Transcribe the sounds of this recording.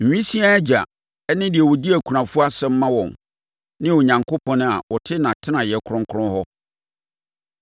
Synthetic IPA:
m̩˨ɥᶣĩ˦si˦a˦d͡ʑa̰˨ | ɛ˦nɪ̃˦dɪ˨ɛ˨wɔ˨di˦æ˨kʷʰu˨ɾã˨fu˦a˦sɛ˦m̩˦mã˦wɔ̃˨n | nɪ̃˦ɔ˨ɲã˨ŋkʰo˦pʰɔ̃˦nʊ̃˦a̰˨wɔ˨tʰɪ˦nã˨tʰɪ˦nã˨jɛ˨kʰɾʊ̃˦ŋ̩˦kʰʊ˦ɾʊ̃˦hɔ˦

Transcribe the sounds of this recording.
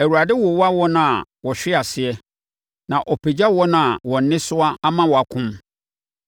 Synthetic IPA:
æ˨wu˨ɾa˨dɪ˦wɔ˨wa˦wɔ˦nã˨wɔ˨ɕᶣɪ˦a˨sɪ˨ɛ˦ | nã˨ʔɔ˨pʰe˨d͡ʑa˦wɔ˦nã˨wɔ̃˨n˦nɪ̃˦sʊ˦a˦a˦mã˦wɔ˨a˨kʰʊ̃˦m

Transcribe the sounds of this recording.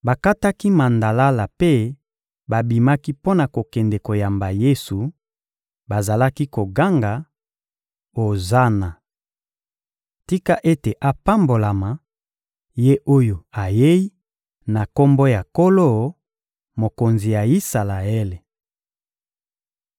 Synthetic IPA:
ba˨ka˦ta˦ki˦ma˨nda˨la˦la˨pe˦ | ba˨bi˨ma˦ki˦po˦na˨ko˨kɛ˨ndɛ˨ko˨ja˨mba˨je˦su˨ | ba˨za˨la˦ki˦ko˨ɡa˦ŋɡa˨ | o˨za˦na˨ | ti˦ka˦ʔe˦te˨ʔa˨pa˦mbo˨la˨ma˨ | je˦ʔo˦jo˨a˨je˦i˦ | na˨ko˦mbo˦ja˨ko˦lo˦ | mo˨ko˨nzi˨ja˨i˦sa˨la˨e˦le˨

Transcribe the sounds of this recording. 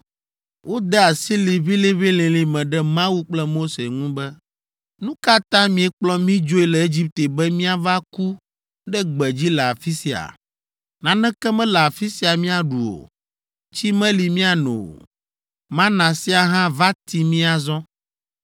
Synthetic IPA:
wʔo˦d̪ɛ˦a˨si˦li˨βi˦lĩ˦βi˦lĩ˨lĩ˨mɛ̃˨ɖɛ˦mã˦wu˦k͡plɛ˦mo˦se˨ŋũ˦bɛ˦ | nũ˦ka˦t̪ã˦mĩ˨ɛ˦k͡plɔ˦mĩ˦d͡ʒo˦i˦lɛ˨e˦d͡ʑi˦p̚t̪e˨bɛ˦mĩ˦a˦va˦ku˦ | ɖɛ˦ɡ͡bɛ˨d͡ʑi˦lɛ˨a˨fi˦si˨a̰˨ | nã˨nɛ̃˦kɛ˦mɛ̃˦lɛ˨a˨fi˦si˦a˨mĩ˦a˨ɖu˨o̰˨ | t͡ɕi˦mɛ̃˦li˨mĩ˦a˨no̰˨ | mã˦nã˨si˦a˨ɦã˦va˦t̪i˨mĩ˦a˨zɔ̃˦

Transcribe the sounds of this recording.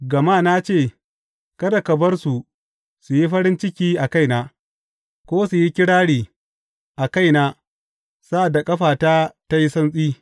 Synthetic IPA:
ɡɐ˨maː˦˨na˦t͡ʃeː˦˨ | kɐ˦da˨kɐ˨bɐ˦rsu˨ | su˨ji˦ɸɐ˦ɽɪ˦nt͡ʃɪ˦kʲiː˦ʔa˨ka˦jnaː˦ | kʷoː˦su˨ji˦kʲɪ˦ɽaː˦ɽiː˨ | ʔa˨ka˦jnaː˦ | saː˦ʔa˨da˨kʼɐ˦ɸaː˨taː˦ta˦ji˦sɐ˦nsʼiː˦

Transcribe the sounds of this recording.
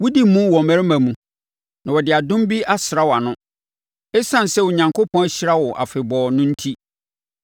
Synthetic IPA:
wʊ˦di˦mũ˦wɔ˨mæ̃˨˦ɾɪ˦mã˨mũ˨ | nã˨wɔ˨dɪ˨a˨dʊ̃˦m˦bi˦ʔa˦sɪ˨ɾa˦wɔ˨a˨nʊ̃˦ | ɛ˦sã˦n˨sɛ˦wʊ˨ɲã˨ŋkʰo˦pʰɔ̃˦æ˦ɕɪ˦ɾa˦wɔ˨ʔa̰˨fɪ˨bɔː˨nʊ̃˦n̩˦tʰi˦

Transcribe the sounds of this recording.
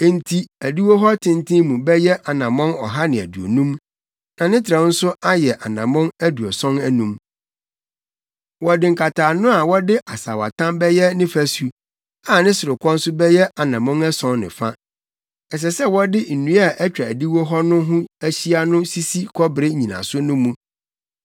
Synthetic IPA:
n̩˦tʰi˦æ˨di˦wo˦ɦɔ˦tʰɪ̃˦ntʰɪ̃˦mũ˨bɛ˦jɛ˦ʔa˨nã˨mɔ̃˦nɔ˨ɦa˦nɪ̃˨æ̰˨du˨o̰˨nũ˦m | nã˨nɪ̃˦tʰɪɾã˨˦n̩˦sʊ˦a˦jɛ˨ʔa˨nã̰˨mɔ̃˦næ˦du˨ɔ˨sɔ̃˦næ˦nũ˦m | wɔ˨dɪ̃˨ŋ̩˨kʰa˨tʰaː˨nʊ̃˦a˨wɔ˦dɪ˦ʔa˨sa̰˨wa̰˨tʰã˦mbɛ˦jɛ˦nɪ̃˦fæ˨su˦ | a˨nɪ̃˦sʊ˨ɾʊ˨kʷʰɔ̃˦n̩˦sʊ˦bɛ˦jɛ˦ʔa˨nã˨mɔ̃˦nɛ˦sɔ̃˦nnɪ̰̃˨fa˦ | ɛ˨s̬ɛ˨sɛ˦wɔ˦dɪ˦n̩˨nũ˦a˦˨ʔɛ˦t͡ɕᶣa˨di˦wɔ˦ɦɔ˦nʊ̃˦ɦʊ̃˦æ˦ɕi˦a˦nʊ̃˦si˦si˦kʰɔ˦bɪ˨ɾɪ˦ɲĩ˨nã̰˨sʊ˦nʊ̃˦mũ˦

